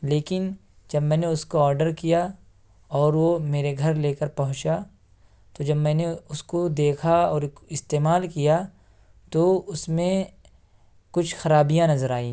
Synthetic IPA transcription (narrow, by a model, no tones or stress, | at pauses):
leːkɪn | d͡ʒɐbmɛ̃ːneʊskoɔːɾɖəɾkija | ɔːɾʋomeːɾeɡʱɐɾleːkəɾpɐɦʊ̃t͡ʃa | t̪od͡ʒɐbmɛ̃ːneʊskod̪eːkʰaɔːɾɪst̪eːmaːlkija | t̪oʊsmẽ | kʊt͡ʃʰxɐɾaːbijãnɐzəɾaːĩː